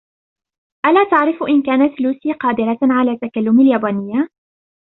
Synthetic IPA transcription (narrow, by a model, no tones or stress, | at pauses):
ʔalaːt̪aʕɾɪfʔɪnkaːnat̪luːsiːqɑːd̪ɪɾaʕalaːt̪akalːʊmaljaːbaːnɪjːa